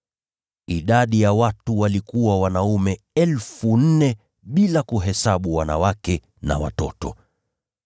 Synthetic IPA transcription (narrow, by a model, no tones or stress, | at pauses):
iɗaɗijawatuwalikuwawanaumɛ | ɛlfun̩nɛ | ɓilakuɦɛsaɓuwana̰wakɛ | na̰wa̰tɔtɔ